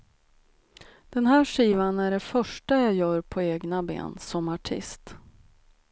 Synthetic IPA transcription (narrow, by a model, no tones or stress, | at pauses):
d̪̥ɛnɦæːʂiːvanæɖɛfœʂʈajaːjœːɾpʰɔeːɡnabḛːnsɔmaʈʰɪ̰st̪